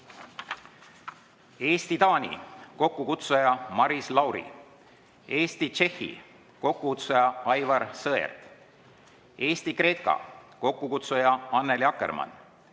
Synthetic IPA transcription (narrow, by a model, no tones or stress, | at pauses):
e̞ːst̪it̪ɑːnʲḭko̞kːukut̪sujɑmɑɾislɑwɾḭ | e̞ːst̪it͡ʃe̞hːḭ | ko̞kːukut̪sujɑɑjvɑɾsɤḛrt̪ | e̞ːst̪ikre̞kːɑ̰ko̞kːukut̪sujɑɑnːeljɑkːˑḛrmɑ̰n